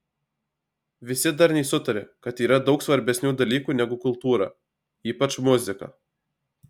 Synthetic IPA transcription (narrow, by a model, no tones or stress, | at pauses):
ʋʲɪsʲɪd̪ɐɾnʲɛɪsʊt̪ɐɾʲḛkɐt̪iːɾɐd̪ɒʊksʋɐɾʲbʲɛsʲnʲuːd̪ɐlʲiːkuːnʲɛɡʊkʊlˠt̪uːɾɐ̰ | iːpɐt͡ʃmʊzʲɪkɐ̰ː